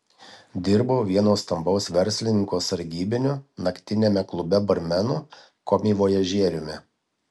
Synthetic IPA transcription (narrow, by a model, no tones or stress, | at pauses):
d̪ʲɪɾboːʋʲiɛnoːst̪ɐmbɒʊsʋʲɛɾʲsʲlʲɪnʲɪŋkoːsɐɾʲɡʲiːbʲɪnʲʊnɐkʲt̪ʲɪnʲeːmʲɛklˠʊbʲɛbɐɾʲmʲɛnʊ | koːmʲiːʋoːjɛʒʲiɛɾʲʊmʲɪ